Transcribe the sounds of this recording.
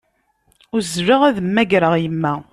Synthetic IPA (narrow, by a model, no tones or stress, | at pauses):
ʊɾzvəʁæðəmːæɡɾəʁjəmːæ